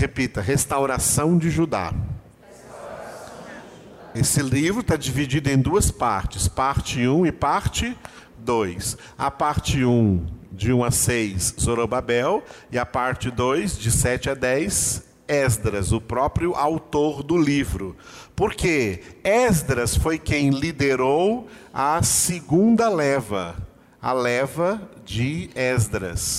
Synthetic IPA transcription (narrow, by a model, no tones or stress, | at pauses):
hepit̪ɐɦest̪awɾasɐ̃w̃d͡ʒɪʒud̪a̰ | esɪlivɾʊt̪ad͡ʒivid͡ʒid̪ʊẽj̃d̪uɐspaɾt͡ʃɪspaɾt͡ʃɪũɪpaɾt͡ʃɪ | d̪ojs | a̰paɾt͡ʃɪũd͡ʒɪũɐsejszoɾobabɛwɪɐpaɾt͡ʃɪd̪ojzd͡ʒɪsɛt͡ʃɪɐd̪ɛjs | ɛzd̪ɾɐzʊpɾɔpɾjʊʔawt̪oɾd̪ʊlivɾʊ | poɾkeɛzd̪ɾɐsfojkẽj̃lid̪eɾowɐsɪɡũnd̪ɐlɛvɐ̰ | ɐlɛvɐd͡ʒɪɛzd̪ɾɐ̰s